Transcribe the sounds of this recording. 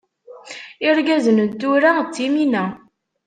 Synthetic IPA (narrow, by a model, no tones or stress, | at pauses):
ɪɾɡæzənət̪ːuɾat͡sːiminæ